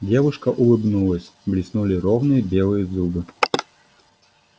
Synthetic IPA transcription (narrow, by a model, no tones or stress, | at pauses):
dʲɛvɨʂkɐʔulˠɨbnulˠəsʲblʲisnulʲiɾɔwnɨjbʲɛlˠɨjəzubɨ